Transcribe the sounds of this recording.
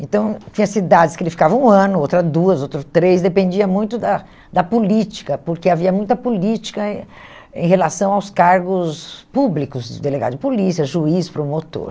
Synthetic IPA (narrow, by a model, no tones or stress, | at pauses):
ẽnt̪ɐ̃w̃t͡ʃĩɲɐsid̪ad͡ʒɪskɪelɪfi̥kavɐũɐ̃nʊowt̪ɾɐd̪uɐzowt̪ɾɐt̪ɾesd̪epẽnd͡ʒiɐmũj̃t̪ʊd̪ɐ | d̪ɐpolit͡ʃi̥kɐpoɾkeaviɐmũj̃t̪ɐpolit͡ʃi̥kɐ | ḛ̃j̃ɦelasɐ̃w̃awskaɾɡʊspublikʊzd͡ʒɪd̪eleɡa̰d̪ʊd͡ʒɪpolisiɐʒuispɾomot̪o̰ɾ